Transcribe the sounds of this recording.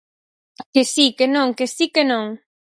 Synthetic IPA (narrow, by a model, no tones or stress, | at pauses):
kesikenõŋkesikenõŋ